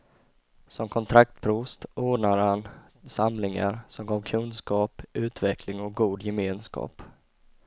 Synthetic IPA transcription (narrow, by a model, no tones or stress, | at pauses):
sɔmkʰɔnt̪ʰɾak̚t̪pʰɾuːst̪oːɖɳaɾhan | samlɪŋa̰ɾsɔmɡɑːvkʰɵnskɑːpʉ̟ːt̪vɛkʰlɪŋɔk̚ɡuːd̪jɛmeːnskɑ̰ːp